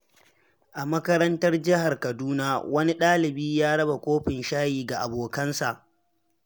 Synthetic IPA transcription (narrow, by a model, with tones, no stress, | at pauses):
ʔa˨mɐ˦kɐ˦ɾɐ˦ntɐ˦rd͡ʒɪ˦ɦa˨rkɐ˨duː˦naː˦wɐ˦ni˦ɗaː˦lɪ˨biː˦jaː˦ɽɐ˦ba˨kʷoː˦ɸɪ˨nʃaː˦jiː˨ɡa˨ʔa˨boː˨kɐ˦nsa˨ʔ